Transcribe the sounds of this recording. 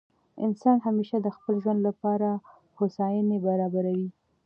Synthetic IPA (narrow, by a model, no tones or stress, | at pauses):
ɪ̰nsɑnɦameʃad̪əxpəlʒwand̪lapɑɾa | xosɑjənebaɾɑbaɾawi